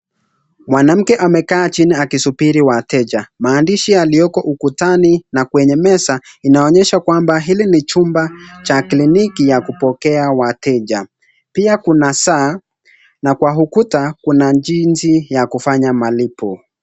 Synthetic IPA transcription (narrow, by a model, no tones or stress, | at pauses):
mwanam̩kɛʔamɛkaːt͡ʃiniakisupiɾiwatɛʄamaːndiʃialiɔkɔʔukutaninakwɛɲɛmɛsainaɔɲɛʃakwambaɦilinit͡ʃumbat͡ʃaklinikijakupɔkɛawatɛʄa | piakunasaː | nakwaɦukutakunad͡ʒinzijakufaɲamalipɔ